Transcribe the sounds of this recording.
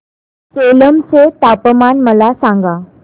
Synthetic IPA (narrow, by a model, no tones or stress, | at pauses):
soləmt͡set̪apəmanməlasãŋɡa